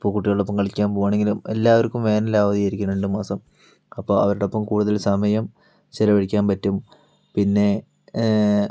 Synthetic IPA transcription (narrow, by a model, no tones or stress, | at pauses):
ipːokuʈːijoɭːopːɐmkɐɭikʲːaːnpoːɣaːɳe̞ŋɡilume̞lːaːʋɐɾkːumʋe̞ːnɐlaːʋɐðijɐɾikʲːunːeɳɖɨmaːsɐm | ɐpːoːɐʋɐɾuɽepːɐmkuːɽuðɐlsɐmɐjɐm | t͡ɕelɐʋɐɻikʲːaːnpɐtːum | pinːe̞